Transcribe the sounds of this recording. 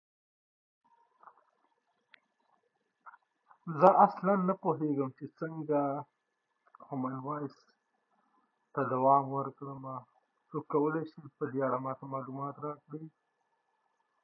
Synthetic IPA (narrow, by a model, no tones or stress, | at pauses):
zəʔaslanːapoɦeɡəmt͡ʃesəŋɡa | homanwɑjs | t̪ad̪awɑmwəɾkɽəma | sokːawəleʃipəd̪eaɽamɑt̪amɑlumɑt̪ɾɑkɽi